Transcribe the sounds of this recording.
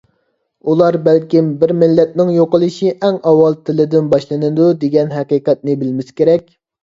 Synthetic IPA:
ulˠɑɾbɛlkʲimbɪɾmɪlːɛt̪̚nɪŋjoqəlˠɨʃiʔɛŋɑwːɑlˠt̪ʰɪlɪd̪ɪnbɑʃlˠɨnɨd̪ud̪eɡʲɛnɦæqiqɛt̪̚nɪbɪlmɪskʲeɾɛkʲ

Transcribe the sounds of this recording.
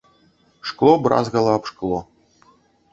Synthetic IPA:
ʂklˠobrʔɑ̰zɣɑlˠɑːpʂklˠo

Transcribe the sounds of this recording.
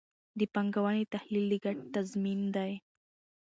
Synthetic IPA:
d̪əpaŋɡawanit̪ahlilːiɡaʈ̚t̪azmind̪aj

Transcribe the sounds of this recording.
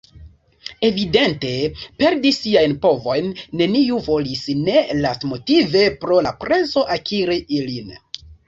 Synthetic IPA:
e̞vide̞nte̞pe̞ɾdisiajnpo̞vo̞jnːe̞niuvo̞lisne̞lastmo̞tive̞pɾo̞lapɾe̞zo̞ʔakʰiɾiʔilin

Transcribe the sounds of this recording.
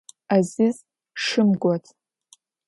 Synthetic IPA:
azɪz | ʂɨmɡʷatʰʼ

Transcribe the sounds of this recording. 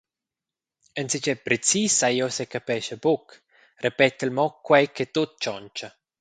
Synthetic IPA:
ənsit͡ʃɛpɾet͡sisajosekapɛʃəbuk | repɛt̪əlmɔkːwɛjkʰet̪ut̪̚t͡ʃɔnt͡ʃɐ

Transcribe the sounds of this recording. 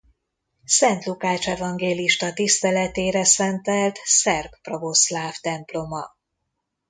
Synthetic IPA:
sɛnt̪lukaːt͡ʃɛvɒŋɡeːliʃt̪ɒt̪ist̪ɛlɛt̪eːɾɛsɛnt̪ɛlt̪sɛrkprovo̞slaːft̪ɛmplo̞mɒ

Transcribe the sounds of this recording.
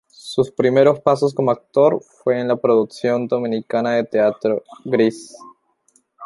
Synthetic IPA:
suspɾime̞ɾo̞spaso̞s̬ko̞moak̚t̪o̞ɾfwe̞ːnlapɾoðuksjo̞nd̪o̞mĩnikanaðe̞t̪eat̪ɾoɡɾis

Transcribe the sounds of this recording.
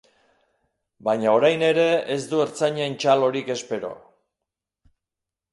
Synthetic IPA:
baɲao̞ɾajne̞ɾe̞ezd̪ue̞ɾt͡saɲant͡ʃalo̞ɾike̞spe̞ɾo̞̰

